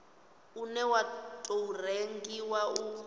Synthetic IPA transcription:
unɛwatʼoureŋɡiwau

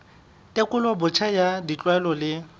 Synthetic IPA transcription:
tʼekʼʊlɔbʊt͡ʃʰajadit͡ɬʼwaɛlɔlɪ

